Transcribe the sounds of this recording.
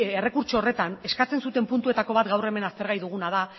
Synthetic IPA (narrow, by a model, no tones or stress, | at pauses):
ere̞kuɾt͡ʃoːre̞t̪ane̞skat͡se̞nsut̪e̞mpunt̪ue̞t̪ako̞β̞at̪ɡawre̞me̞nast̪e̞ɾɣajðuɣ̞unað̞a